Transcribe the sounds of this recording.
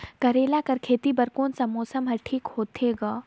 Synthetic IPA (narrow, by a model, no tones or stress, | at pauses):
kɐɾeːlakɐɾkʰeːt̪ibɐɾkoːnsɐ̃moːsəmɦɐɾʈʰiːkhoːt̪ʰeːɡaː